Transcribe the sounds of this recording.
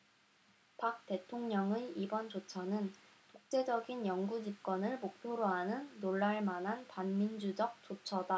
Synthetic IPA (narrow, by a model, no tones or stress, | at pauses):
pak̚t͈e̞tʰoŋɲʌŋeibʌnt͡ɕot͡ɕʰʌnɯn | tok̚t͡ɕ͈e̞d͡ʑʌɡinjʌŋɡud͡ʑip̚k͈wʌnɯɭmok̚pʰjoɾoɦanɯnːoɭːaɭmanɦanpanmind͡ʑud͡ʑʌk̚t͡ɕ͈ot͡ɕʰʌda